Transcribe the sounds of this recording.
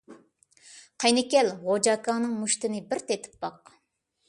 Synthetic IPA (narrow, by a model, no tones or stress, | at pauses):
qʰɑjnɪkʲɛlʁod͡ʒɑkɑːnɨŋmuʃt̪ɪnɪbɪɾt̪ʰet̪ʰɪ̥pːɑq